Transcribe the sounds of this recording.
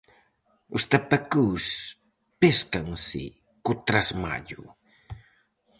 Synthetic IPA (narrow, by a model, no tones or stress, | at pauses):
ʊst̪apakus | peskaŋsɪ̰ | kʊt̪ɾasma̰ʎṵ